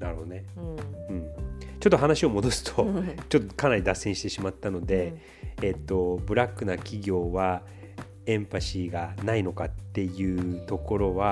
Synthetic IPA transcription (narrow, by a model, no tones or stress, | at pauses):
naɾhod̪oneɯ̟̃ɴt͡ɕo̞t̪ːo̞ɦanaɕio̞mo̞d̪o̞sɨ̥t̪ʰot͡ɕo̞t̪ːokanaɾʲid̪asːẽ̞ɕi̥t̪e̞ɕimat̪ːano̞d̪e̞ː | t̪ːo̞bɯ̟ɾakːɯ̟nakʲiɡʲo̞ːβa | ẽ̞mpaɕiɡanaino̞kat̪ːe̞jɯ̟ːt̪o̞ko̞ɾo̞βa